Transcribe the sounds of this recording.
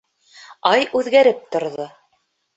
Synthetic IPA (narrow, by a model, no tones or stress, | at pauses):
ɑjʉðɡæɾɘp̚t̪ŏɾðo